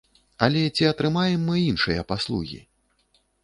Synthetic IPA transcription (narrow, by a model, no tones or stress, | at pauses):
ɐlʲɛt͡sʲiɐt̪ɾɨmajɛmːɨinʂɨjɐpaslˠṵɣʲḭ